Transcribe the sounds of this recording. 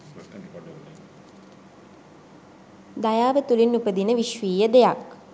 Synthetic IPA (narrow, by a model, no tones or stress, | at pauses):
d̪ajaːʋət̪ulinːupəd̪inəʋiʃʋiːjəd̪ejak